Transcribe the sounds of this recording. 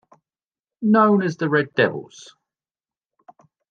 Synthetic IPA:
nə̃ʊ̃nəzðəɹɛdɛvə̰lˠz̥

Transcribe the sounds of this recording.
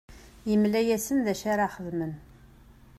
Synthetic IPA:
jəmlæjæsənðæʃaɾaχəðmən

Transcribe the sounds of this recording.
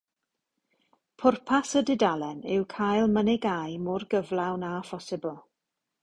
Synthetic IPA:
pʰʊrpʰasədɪdalɛnɪwkʰajlˠmənɪɡajmʊrɡəvlˠawnafɔsɪbəlˠ

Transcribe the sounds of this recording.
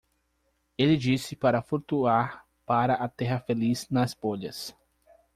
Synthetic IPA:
elɪd͡ʒisɪpaɾɐfuɾt̪uaɾ | paɾɐʔat̪ɛɦɐfeliznɐsboʎɐs

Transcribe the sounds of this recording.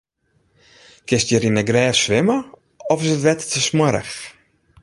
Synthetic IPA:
kɪstjəɾinəɡrɛːfsʋɪmə | ɔfɪsətʋɛttəsməɾə̰x

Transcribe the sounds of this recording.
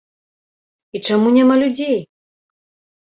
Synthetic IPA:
it͡ʂamunʲɛmalʲud͡zʲej

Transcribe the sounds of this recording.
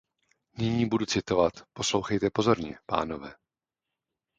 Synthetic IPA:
nɪɲiːbudut͡sɪt̪o̞vat̪po̞slo̞wxɛjt̪ɛpo̞zo̞ɾɲɛ̰pa̰ːno̞vɛː

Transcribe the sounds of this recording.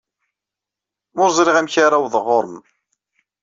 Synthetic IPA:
mʊɾzˤɾiʁæmçaɾawðˤəʁːʊɾˤəm

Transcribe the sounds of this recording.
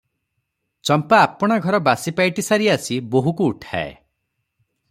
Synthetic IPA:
t͡ʃɔmpaːpɔɽ̃aɡʱɔɾɔbasipajʈisaɾiasiboɦukuːʈʰa̰ḛ

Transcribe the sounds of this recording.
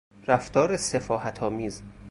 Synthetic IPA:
ɾæft̪ɒːɾesefɒːhæt̪ʰɒːmiːz

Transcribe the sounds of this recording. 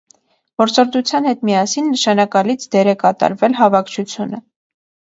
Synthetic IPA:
b̥ɔɾt͡sɔɾd̪ut͡sʰjɑn̪hɛt̪mijɑsinːəʃɑnɑkɑlit͡sʰd̪ɛɾɛkɑt̪ɑ̰ɾvɛlɦɑvɑkʰt͡ʃʰut͡sʰjunə

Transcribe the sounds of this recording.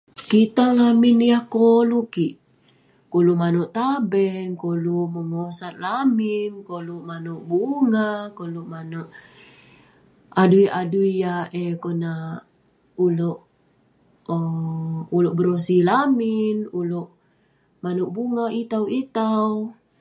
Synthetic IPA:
kit̪aŋlaminijahkolukiʔ | kolumanoʔt̪abɛnkoluməŋosat̪̚laminkoluʔmanoʔbuŋakoluʔmanɔʔ | adujaduiaekona | uloʔ | ulɔʔbəɾosilaminuloʔ | manuʔbuŋait̪awit̪aw

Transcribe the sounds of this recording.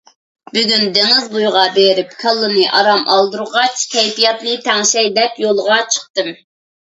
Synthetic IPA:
byɡʲynd̪eŋɨzbujʁɑbeɾɪp̚kʰɑlˠːɨnɨʔɑ̰ɾɑmɑ̰lˠd̪uɾʁɑt͡ʃkʲʰɛjpijɑt̪nɨt̪ʰɛŋʃɛjd̪ɛpjolˠʁɑt͡ʃʰə̥χt̪ɨm

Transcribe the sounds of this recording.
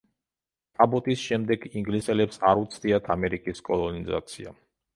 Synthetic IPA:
t̪ʼabɔt̪ʼisʃɛmd̪ɛɡiŋɡlisɛlɛpsaɾut̪sʰd̪iat̪ʰamɛɾikʼiskʼɔlˠɔniza̰t̪sʰḭa̰

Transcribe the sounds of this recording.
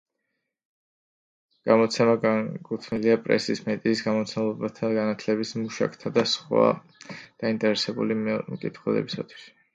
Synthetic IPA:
ɡ̥amɔt̪sʰɛmakʼut̪ʰniliapʼɾɛ̰sismɛt̪ʼiːsɡamɔt̪sʰɛmlˠɔbat̪ʰaɡanat̪ʰlɛbismuʃa̰kʰʼt̪ʰad̪asχwa̰ | d̪̥aint̪ʼɛɾɛsɛbṵlimkʼit̪ʰχwɛlɛ̰bisat̪ʰwi̥s

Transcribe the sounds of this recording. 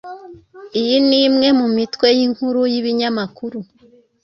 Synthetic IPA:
ijiniːmŋe̞mumitwe̞jiŋhuɾujiβiɲamakuɾu

